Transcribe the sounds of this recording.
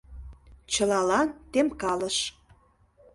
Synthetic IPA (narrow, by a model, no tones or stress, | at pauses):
t͡ɕəlɑlɑnt̪emkɑləʃ